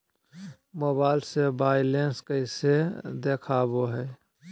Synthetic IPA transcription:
moːbaːɪlsebaːɪlenskəɪsed̪eːkʰaːboɦɛː

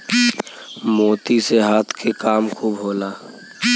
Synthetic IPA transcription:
moːt̪iseɦaːt̪ʰkʰekaːmkʰobʱoːlaː

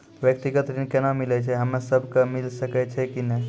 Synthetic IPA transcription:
ʋjək̚t̪iɡət̪ɾinkenamilɛt͡ʃʰɛɦəmesəbʱkemilsəkɛt͡ʃʰɛkinɛ

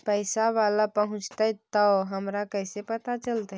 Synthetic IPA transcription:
pəɪsaʋalapəɦʊ̃t͡ʃt̪ət̪əɦəmɾakəjsepət̪at͡ʃəlt̪a

